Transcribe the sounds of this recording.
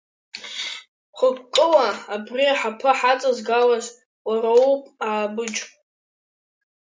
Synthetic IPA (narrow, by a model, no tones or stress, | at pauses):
χʷʊkkʼːɨlaːbriaħapʰɨħat͡sʼazɡalaʒʷ | waɾaupʼaːbɨd͡ʒʼ